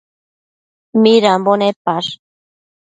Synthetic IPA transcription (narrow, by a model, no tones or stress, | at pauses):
miɾambonepaɾ